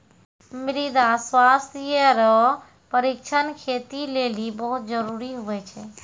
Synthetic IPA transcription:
mɾid̪aswast̪ʰiəɾɔ | pəɾik̚t͡ʃʰənkʰet̪ilelibəɦut̪̚d͡ʒəɾuɾiɦuɛt͡ʃʰɛ

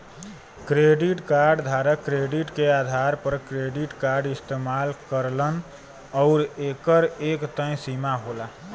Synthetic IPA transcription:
kɾeɖiʈkaɾɖd̪ʱaɾəkɾeɖiʈkeaːd̪ʱaɾpəɾkɾeɖiʈkaɾɖɪst̪eːmalkəɾlən | ɔʊɾeːkəɾekt̪ə̃simaɦola

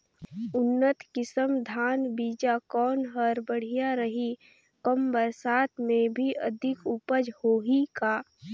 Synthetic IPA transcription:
ʊnːət̪kɪsəmd̪ʱaːnbiːd͡ʒakɔːnɦəɾbəɽ̤ijaɾəɦi | kəmbəɾsaːt̪mẽbʱiʔəd̪ʱɪkupəd͡ʒhoːɦikaː

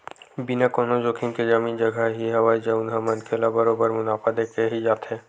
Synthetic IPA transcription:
binakoːnod͡ʒokʰɪnked͡ʒamiːnd͡ʒɐɡʱaɦiɦɐwaːid͡ʒaʊnɦamɐ̃nkʰelabəɾobəɾmʊnaːpad̪eːkeɦid͡ʒaːt̪e

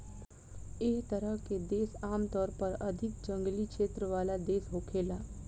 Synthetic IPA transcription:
ɪːkt̪ɐɾəɦked̪eːsaːmt̪ɔːɾpɐɾɐd̪ʱɪk̚d͡ʒɐ̃ŋɡlikʃeːt̪ɾəʋaːlad̪eːsɦoːkʰeːlaː

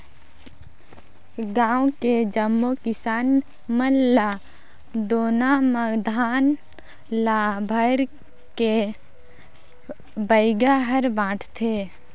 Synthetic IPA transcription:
ɡãːwked͡ʒəmːokɪsaːn | məllːa | d̪oːnaməɡd̪ʱaːn | laːbʱəɾ | ke | bəɪɡaɦəɾbãːʈʰt̪ʰeː

